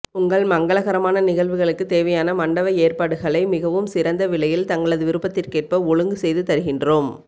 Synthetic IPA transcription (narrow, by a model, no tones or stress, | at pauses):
ʊŋɡɐɭmɐŋɡɐɭɐɣɐɾɐmaːnɐnɪɣɐɭʋɯɣɐɭɯkːɯt̪eːʋɐjaːnɐmɐɳɖɐʋɐeːrpaːɽɯɣɐɭɐɪmɪɣɐʋɯmsɪɾɐnd̪ɐʋɪɭɐjɪlt̪ɐŋɡɐɭɐðɯʋɪɾɯpːɐt̪ːɪrkeːʈ̚pɐɔɻɯŋɡɯsɛjðɯt̪ɐɾɯɣɪndroːm